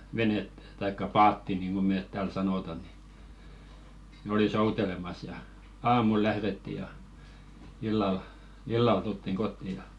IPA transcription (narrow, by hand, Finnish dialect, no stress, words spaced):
ʋenetːæ̥ tɑikːɑ pɑːtːi niːnɡ̊o meːt tæːl sɑnoˑtɑ ni nĕ oli soutelemɑs jɑ ɑːmul læhɾetːi jɑ ilːɑl ilːɑl tultːiŋ ɡ̊otːi jɑ